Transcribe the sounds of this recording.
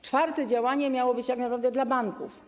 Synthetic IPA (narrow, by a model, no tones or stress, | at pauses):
t͡ʂfaɾt̪ɛd͡ʑawaɲɛmʲjawɔbɘt͡ɕt̪aknapɾavd̪ɛd̪labaŋkuf